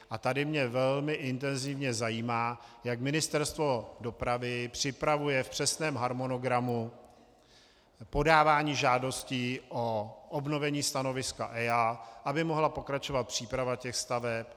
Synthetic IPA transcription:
ʔat̪adɪmɲɛvɛlmɪʔɪnt̪ɛnzɪvɲɛzajiːmaːjakmɪnɪst̪ɛɾst̪vo̞do̞pɾavɪpr̝̥ɪpɾavujɛfpr̝̥ɛsnɛːmɦaɾmo̞no̞ɡɾamu | po̞daːvaːɲiːʒaːdo̞sciʔoʔobno̞vɛɲiːst̪ano̞vɪskaʔɛaʔabɪmo̞ɦlapo̞kɾat͡ʃo̞vat̪̚pr̝̥iːpɾavacɛxst̪avɛp

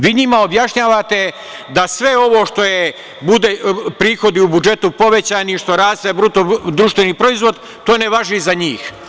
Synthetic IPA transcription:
ʋiːɲimao̞bjaʃɲaːʋat̪e̞ | d̪asʋe̞o̞ʋo̞ːʃt̪o̞je | bud̪epɾiːxo̞d̪iubud͡ʒe̞t̪upo̞ʋet͡ɕaːniʃt̪o̞ɾaːst̪aebɾut̪od̪ɾuʃt̪ʋeniːpɾo̞izʋo̞d̪ | t̪oːneʋaʒizaɲiːx

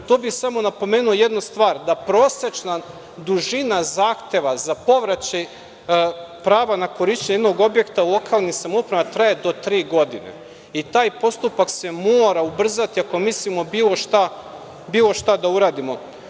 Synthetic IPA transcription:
t̪oːbixsamo̞napo̞me̞ːnuoje̞d̪nust̪ʋaːɾd̪apɾo̞ːset͡ʃna | d̪uʒinazaːxt̪e̞ʋazapo̞ʋɾat͡ɕaj | pɾaːʋanako̞ɾiʃt͡ɕeɲed̪no̞ɡo̞bje̞kt̪aulˠo̞kaːlˠnixsamupɾemat̪ɾaje̞d̪o̞t̪ɾiːɡo̞d̪ḭnḛ | it̪aːjpo̞st̪upakse̞moːɾaubr̩zat̪iako̞mislimo̞biːlˠo̞ʃt̪a | biːlˠo̞ʃt̪ad̪auɾaːd̪imo̞

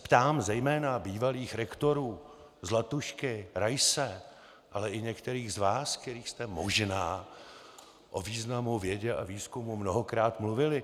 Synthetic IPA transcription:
pt̪aːmzɛjmɛːnabiːvaliːxɾɛkt̪o̞ɾuː | zlat̪uʃkɪɾajsɛ | ʔalɛʔɪɲɛkt̪ɛɾiːɣzvaːskt̪ɛɾiːxst̪ɛmoʒnaː | ʔoviːznamuvjɛɟɛʔa̰viːskumumnoɦokɾaːt̪mluvɪlɪ

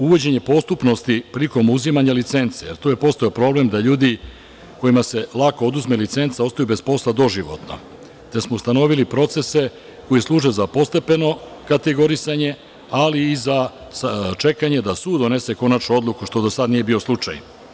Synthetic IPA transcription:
uʋo̞d͡ʑe̞ɲe̞po̞st̪upno̞st̪ipɾiliko̞muzimaɲalit̪se̞nt̪sejeɾt̪oːjepo̞st̪aopɾo̞ːble̞md̪aʎuːd̪i | ko̞jimase̞lˠako̞od̪uzme̞lit̪se̞nt̪sao̞st̪ajube̞spo̞slˠad̪o̞ʒiʋo̞̰t̪no̰ | t̪esmo̞ust̪ano̞ʋilipɾo̞t̪se̞se̞ | ko̞jislˠuːʒezapo̞st̪e̞pe̞no̞kat̪e̞ɡo̞ɾisaɲe̞ | aliːza | st͡ʃe̞kaɲe̞d̪asuːd̪o̞ne̞se̞ko̞nat͡ʃnuo̞d̪lˠukuʃt̪o̞d̪osad̪nije̞bio̞slˠut͡ʂa̰j

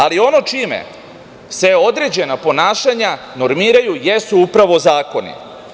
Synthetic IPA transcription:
alio̞no̞t͡ʃimḛ | sʋeo̞d̪ɾe̞d͡ʑe̞napo̞naːʃaɲa | no̞ɾmiːɾajujesuupɾaʋo̞zaːko̞nḭ

